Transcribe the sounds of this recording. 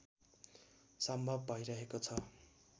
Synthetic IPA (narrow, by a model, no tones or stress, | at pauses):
sʌmbʱʌbːʱʌjɾʌɦekot͡sʰʌ